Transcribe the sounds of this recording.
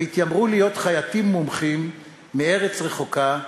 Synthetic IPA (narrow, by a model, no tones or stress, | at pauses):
it̪jamʁulijo̞t̪χajat̪imːumχimː | ee̞ʁet͡sʁe̞χo̞ka